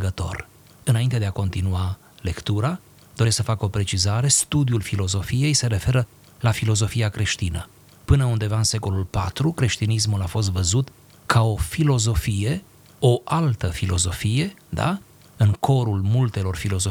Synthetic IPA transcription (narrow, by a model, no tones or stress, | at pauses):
ɡət̪o̞̰r | ɨnaint̪e̞d̪e̞ako̞nt̪inua | le̞kt̪uɾa | d̪o̞ɾesksəfakəo̞pɾe̞t͡ʃizaɾe̞st̪ud̪julfilo̞zo̞fije̞jse̞ɾe̞fe̞ɾə | lafilo̞zo̞fiakɾe̞ʃt̪inə̰ | pɨnəund̪e̞vaɨnse̞ko̞lulpa̰t̪ɾukɾe̞ʃt̪inis̬mulafo̞s̬t̪vəzut̪ | kʰao̞filo̞zo̞fije̞ | o̞ʔalt̪əfilo̞zo̞fije̞d̪a̰ | ɨŋkʰo̞ɾulmult̪e̞lo̞rfilo̞zo